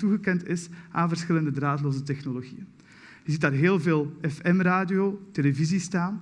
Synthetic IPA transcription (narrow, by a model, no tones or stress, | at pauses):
tuɣəkɛntɪsʔaːnvərsxɪləndədraːtloːzətɛxnoloɣḭjən | jəzit̚daːrɦeːlˠveːlˠɛfɛmraːdijotelevizistaːn